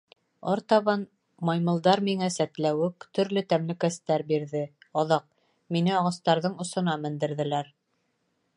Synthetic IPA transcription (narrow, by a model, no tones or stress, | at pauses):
ɑɾt̪ɑβɑn | mɑjmɤ̆lˠd̪ɑɾmiŋæsæt̪læwɘkt̪ɵ̆ɾlɵt̪æmlɘ̆kæst̪æɾbiɾðɘɑðɑq̚ | minɘɑʁɑst̪ɑɾðɤɴŏsŏnɑmɘ̆nd̪ɘ̆ɾðɘ̆læɾ